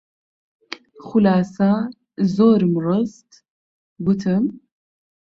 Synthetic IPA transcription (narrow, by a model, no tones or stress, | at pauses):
χulaːsa | zoːɾmrɨst̪ | but̪ʰɨm